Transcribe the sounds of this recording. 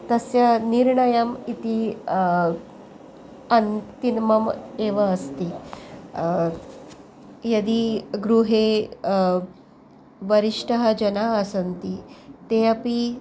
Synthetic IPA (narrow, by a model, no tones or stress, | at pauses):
t̪əsjaniɾɳəjamit̪i | ɐnt̪inməmeʋaːst̪i | jɐd̪iɡɾuɦe | ʋəɾiʂʈəɦad͡ʑənaːsənt̪it̪eapi